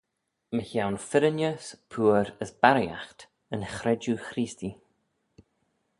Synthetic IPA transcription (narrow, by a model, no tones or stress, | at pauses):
məçawnfɪɾənjəspʰuːəɾəsb̥aɾja̰xt̪ | ənxɾɛd͡ʒuxɾiːsti